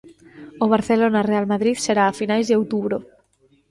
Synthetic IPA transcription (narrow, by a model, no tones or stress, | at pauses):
oβ̞aɾθelonarealmaðɾiðseɾaːfinajzðeowt̪uβɾo